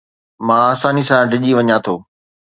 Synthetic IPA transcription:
mãːaːsaːnisãɖʱɪʄiʋɐɲãt̪ʰoː

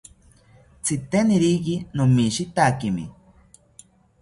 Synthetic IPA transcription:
t͡sʰit̪eniɾikinomiʃit̪akimḭ

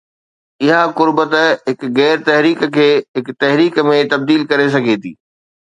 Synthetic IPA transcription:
ɪɦakʊɾbət̪əɦɪkɣɛːɾt̪ɐɦɾiːkkʰeːɦɪkt̪ɐɦɾiːkmẽt̪ɐb̚d̪iːlkɐɾes̬ɐɡʱet̪ʰḭː

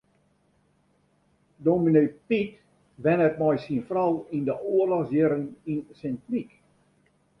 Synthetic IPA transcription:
dominepit | ʋɛnɛt̚mɔjsinfrɔlˠindəʔoərlɔxsjɪɾəninsɛntrik

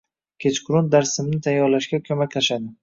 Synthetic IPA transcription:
kʲʰe̞t͡ʃqʰʊɾʊnd̪aɾsɪmnɪt̪ʰajːɒɾlaʃɡʲakʲʰɵmakʲlaʃad̪ɪ

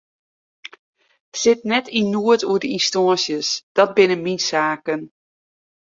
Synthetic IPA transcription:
sɪtnɛtʰinuətuədəinstɔənsjəsd̥ɔt̚bɪnəminsaːkən

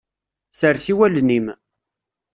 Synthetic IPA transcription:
səɾsiwælnim

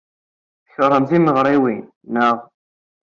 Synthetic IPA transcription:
θəçəɾˤːəmθiməʁɾˤiwinː | əʁˤ

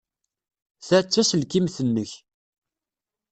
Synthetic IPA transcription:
θæt͡sːæsəlkimθənːəç

